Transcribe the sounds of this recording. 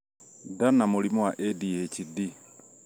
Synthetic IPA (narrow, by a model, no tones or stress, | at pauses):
danamolimɔwaʔɛdihɛcidi